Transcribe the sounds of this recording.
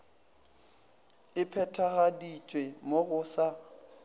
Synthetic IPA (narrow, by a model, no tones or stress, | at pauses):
ɪpʰɛtʰaɣadit͡ʃʼwemoɣʊsa